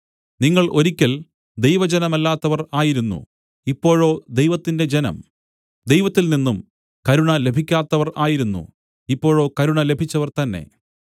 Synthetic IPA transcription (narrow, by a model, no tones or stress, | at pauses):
niŋːɐɭʔo̞ɾikʲːɐl | d̪ejʋɐd͡ʑenɐmɐlːaːt̪ːɐʋɐraːjiɾunːṵ | ipːo̞ːɻo̞ːd̪ejʋɐt̪ːinde̞d͡ʑenɐ̰m | d̪ejʋɐt̪ːilninːum | kɐɾuɳɐle̞bʱikʲːaːt̪ːɐʋɐraːjiɾunːṵ | ipːo̞ːɻo̞ːkɐɾuɳɐle̞bʱit͡ɕːɐʋɐrt̪ɐnːe̞̰